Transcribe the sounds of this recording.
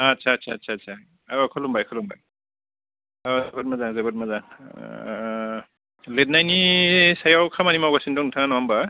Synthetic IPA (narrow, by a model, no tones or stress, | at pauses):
atsʰaːtsʰaːtsʰaːtsʰa | ɔkʰɔlumbajkʰɔluŋba̰j | ɔzbat̚mazaŋzabɔt̚mazaŋ | let̚najnisajawkʰamanimawɡasindɔŋntʰaŋanɔwamba